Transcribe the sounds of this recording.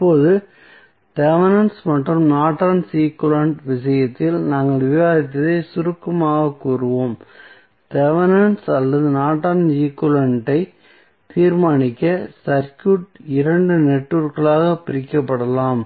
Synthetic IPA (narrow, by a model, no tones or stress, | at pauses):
pːoːðɯ | t̪ɛʋɐnɐnsmɐʈrɯmnaːʈːaːnsiːkːʊlɐɳʈʋɪsɐjɐt̪ːɪlnaːŋɡɐɭʋɪʋaːɾɪt̪̬ːɐðɐɪsʊɾɯkːɐmaːɣɐkːuːɾɯʋoːm | t̪ɛʋɐnɐnsɐlːɐðɯnaːʈːaːnd͡ʒiːkːʊlɐɳʈɐɪ | t̪iːɾmaːnɪkːɐsɐɾkjuʈɪɾɐɳɖɯnɛʈːɯɾkɐɭaːɣɐpɪɾɪkːɐpːɐɽɐlaːm